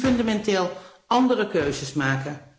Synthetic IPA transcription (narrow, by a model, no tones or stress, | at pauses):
fɵndamɛntɪːlˠ | ɑndərəkøɥzəsmaːkən